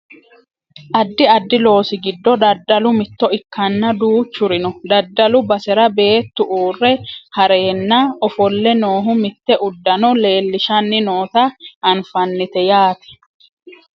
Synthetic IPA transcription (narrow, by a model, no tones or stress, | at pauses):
ʔɐd̪ːɪɐd̪ːɪlo̞ːsɪɡɪd̪ːɔd̪ɐd̪ːɐlʊmɪt̪ːɔɪkʰːɐnːɐd̪uːt͡ʃːʊɾɪnɔd̪ɐd̪ːɐlʊbɐsɛɾɐbe̞ːt̪ːʊʔuːrːɛhɐɾeːnːɐɔfɔlːɛno̞ːɦʊmɪt̪ːɛʔʊd̪ːɐnɔle̞ːlːɪʃɐnːɪnoːt̪ɐɐnfɐnːɪt̪ɛjaːt̪ɛ̥